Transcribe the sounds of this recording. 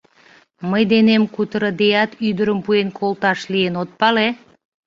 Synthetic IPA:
məjd̪enemkut̪əɾə̆d̪ejɑt̪yd̪əɾəmpuenkʰolt̪ɑʃlienot̪̚pɑle

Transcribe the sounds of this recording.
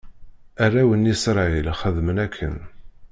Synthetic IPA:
ærˤːæwənisɾˤɑilχəðmənækʰːə̰n

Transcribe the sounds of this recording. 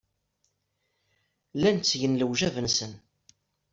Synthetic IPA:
lænt͡sːʝənləwʒævənsən

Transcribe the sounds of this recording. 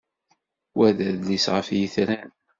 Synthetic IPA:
wæðæðlisʁəfjiθɾæn

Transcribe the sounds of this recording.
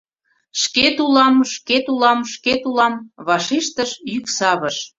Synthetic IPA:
ʃket̪ulɑmʃket̪ulɑmʃket̪ulɑmβɑʃiʃt̪əʃjyksɑβəʃ

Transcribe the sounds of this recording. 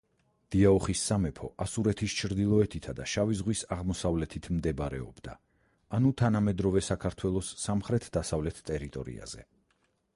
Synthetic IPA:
d̪̥iaɔχisːamɛpʰɔ̰ʔasuɾɛt̪ʰist͡ʃʰɾd̪ilˠɔɛt̪ʰit̪ʰad̪aʃavizʁwisaʁmɔsavlɛt̪ʰit̪ʰmd̪ɛbaɾɛ̰ɔ̰bd̪̥a̰ː | nut̪ʰanamɛd̪ɾɔvɛsakʰaɾt̪ʰwɛlˠɔsːamχɾɛt̪ʰd̪̥asavlɛt̪ʰt̪ʼɛɾit̪ʼɔ̰ɾḭa̰z̥ɛ̰

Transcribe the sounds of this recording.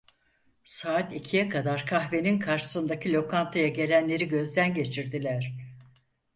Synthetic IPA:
saːt̪icʰijɛkʰad̪aɾkʰaxve̞ninkʰaɾʃɯ̥sɯnd̪acʰilʲo̞kʰant̪ʰajaɟe̞lʲænlʲe̞ɾiɟø̞zd̪ænɟe̞t͡ʃʰiɾd̪ilʲæɾ̥

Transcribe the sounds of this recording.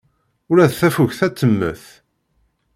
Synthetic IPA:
ʊɾæðθæfuʝθæt͡sːəmːə̰θ

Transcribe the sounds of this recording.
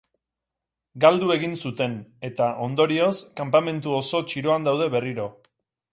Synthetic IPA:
ɡald̪ue̞ɣinsut̪e̞ne̞t̪aʔo̞nd̪o̞ɾio̞skampame̞nt̪uo̞so̞t͡ʃiɾo̞and̪awð̞e̞βe̞riɾo̞

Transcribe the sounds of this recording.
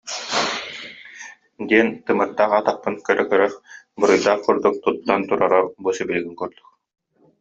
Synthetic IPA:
d̪iɛnt̪ɯmɯɾt̪ːaːχat̪aχ̚pɯnkœɾœkœɾœχ | bɯɾɯjd̪aːχkuɾd̪uk̚t̪ut̪ːant̪uɾaɾabusibiliɡiŋkuɾd̪uk

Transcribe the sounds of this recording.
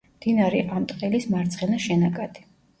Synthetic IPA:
md̪̥inaɾɛʔamt̪ʼqʼɛlismaɾt̪sʰχɛnaʃɛnakʼad̪̥i̥

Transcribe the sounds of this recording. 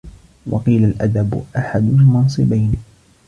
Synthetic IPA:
wɑ̰qiːlalʔad̪ab̰ʔaħad̪ʊmɑnsˤɨbajn

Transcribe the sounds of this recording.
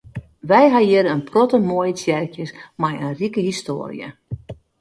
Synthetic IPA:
ʋɛjɦajɪɾəənprɔtəmoəjəsjɛrkjəsmajənrikəɦisto̰ːrḭjə̰

